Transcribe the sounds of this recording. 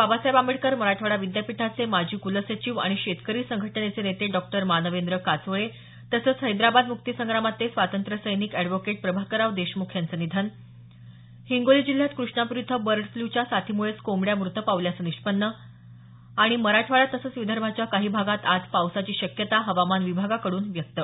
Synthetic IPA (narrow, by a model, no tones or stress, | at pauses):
pabasjabamiɽkəɾməɾaʈʰʋaɭaʋid̪japiʈʰat͡semad͡ʑʱiːkuləsət͡ɕiʋa̰ɽ̃iɕet̪kəɾiːsəŋɡʱəʈɳet͡senet̪eɖɔk̚ʈəɾmanəʋend̪ɾəkat͡sʋəɭe | t̪əsəːt͡sɦəjd̪ɾabad̪muk̚t̪isəŋɡɾamat̪esʋat̪ənt̪ɾəsəjniːkɛɖʋokeʈ̚pɾəbʱaɦkəɾaʋd̪eɕmukʰjant͡sənid̪ʱən | hiŋɡoliːd͡ʑil̤ːjat̪kɾuʂɳapuɾit̪ʰəbəɾɖfljut͡ɕjasat̪ʰimuɭet͡skomɽjamɾut̪ʰəpaʋljat͡səniɕpənːə | aɽ̃iməɾaʈʰʋaɭat̪ːəsəːt͡sʋid̪ʱəɾbʱat͡ɕjakaɦiːbʱaɡat̪ad͡zpawsat͡ɕiːɕəkjət̪aɦəʋamanʋibʱaɡakəɽuːnʋjək̚t̪ə